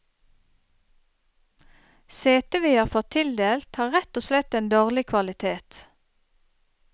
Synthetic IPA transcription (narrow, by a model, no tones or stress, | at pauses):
seːt̪əʋiːhɑːʁfɔt̪ʰɪld̪eːlt̪hɑːʁɛt̪oːslɛt̪eːnd̪oːʁlɪkʰʋɑlɪt̪ʰeːt̪